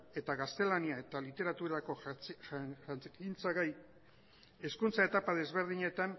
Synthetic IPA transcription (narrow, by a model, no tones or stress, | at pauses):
e̞t̪aɣast̪e̞laniae̞t̪alit̪e̞ɾat̪uɾako̞ | int͡saɣaj | e̞skunt͡sae̞t̪apaðe̞zβe̞ɾðiɲe̞t̪an